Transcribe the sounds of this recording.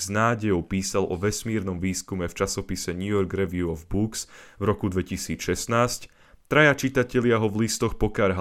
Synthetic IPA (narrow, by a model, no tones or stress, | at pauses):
znaːɟɛjɔʊpiːsalɔʋɛsmiɛɾnɔmʋiːskumɛft͡ʃasɔpisɛɲujɔɾɡɾɛʋiuɔvbuksvɾɔkud̪ʋɛcisiːt͡sʃɛst̪naːsc | t̪ɾajat͡ʃit̪acɛlɪaɦɔvlist̪ɔxpɔkaɾɦ